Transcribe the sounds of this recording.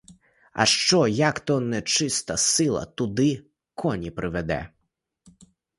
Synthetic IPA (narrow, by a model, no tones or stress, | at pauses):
ɐ̰ʃt͡ʃɔjakt̪ɔnɛt͡ʃɪst̪ɐsɪlˠɐ̰t̪ʊd̪ɪ | kʰɔnʲipɾʔɪʋɛd̪ɛ̰